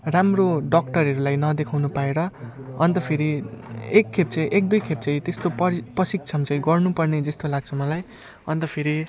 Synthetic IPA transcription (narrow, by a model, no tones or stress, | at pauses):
ramroɖʌk̚ʈʌɾɦʌɾulajnʌd̪ekʰawnupaeɾʌʌnt̪ʌpʰeɾiekʰːep̚t͡sʌĩʔek̚d̪ujkʰep̚t͡sʌĩt̪est̪opʌpʌsik̚t͡sʰʌmt͡sʌĩɡʌrnupʌrned͡zʌst̪olaɡ̚t͡sʰʌmʌlaj | ʌnt̪ʌpʰeɾi